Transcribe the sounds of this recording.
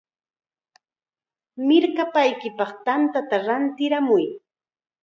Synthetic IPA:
mɪɾkapajkɪpɑχt̪ant̪at̪aɾant̪ɪɾamʊj

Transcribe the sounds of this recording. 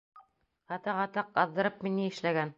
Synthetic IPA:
ɑt̪ɑʁɑt̪ɑq̚ɑðːɤ̆ɾɤp̚miniɘ̆ʃlæɡæn

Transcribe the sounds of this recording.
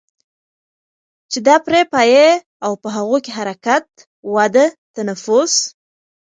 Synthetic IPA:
t͡ʃed̪ɑpɾepaje | awpəɦaɣukeɦaɾakat̪ | wad̪ət̪anafʊs

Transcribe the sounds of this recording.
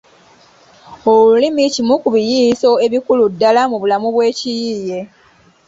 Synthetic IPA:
oulimicimukuβijiso̞e̞βikuludːalamuβulamuβwe̞ːcijiːje̞

